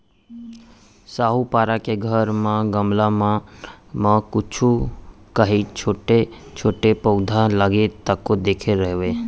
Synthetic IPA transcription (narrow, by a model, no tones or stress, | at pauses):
saːɦupaɾakeɡʱəɾmãɡəmlamamãkʊt͡ʃʰu | kəɦit͡ʃʰoːʈet͡ʃʰoːʈepəʊd̪ʱaləɡet̪əkːod̪eːkʰeɾəɦʋe